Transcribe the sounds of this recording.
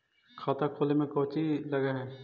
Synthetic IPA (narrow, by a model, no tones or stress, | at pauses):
kʰaːt̪akʰoːlemẽkɔːt͡ʃilɐɡaɦɛː